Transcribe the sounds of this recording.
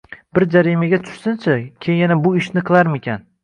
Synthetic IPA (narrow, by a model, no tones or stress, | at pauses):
bɪɾd͡ʒaɾimaɡʲat̪ʰʊ̥ʃsɪnt͡ʃʰakʲʰejjanabʊɪʃnɪqʰɨlˠaɾmekʲʰan